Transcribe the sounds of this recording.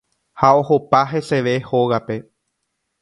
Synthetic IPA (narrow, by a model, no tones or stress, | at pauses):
hao̞ho̞paɦe̞se̞ʋe̞ho̞ɣape̞